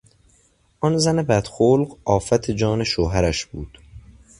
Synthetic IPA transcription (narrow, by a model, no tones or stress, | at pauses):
ʔɒnzænebæd̪̥xoːlɢɒːfæt̪ʰed͡ʒɒːneʃoːɦæɾæʃb̥uːd̪̥